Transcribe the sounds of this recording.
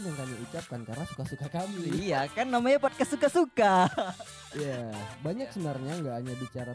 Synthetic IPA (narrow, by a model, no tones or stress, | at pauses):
jaŋkamiut͡ʃap̚kankarnasu̥kasukakamijakanːamaɲapɔt̪̚kastːsukasuka | ijabaɲak̚sənarɲaŋɡaʔaɲabit͡ʃaɾa